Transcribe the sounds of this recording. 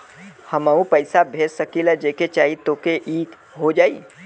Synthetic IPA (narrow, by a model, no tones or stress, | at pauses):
həməũpəɪsabʱesəkilad͡ʒeket͡ʃaɦit̪okeʔiːk | ɦod͡ʒaːi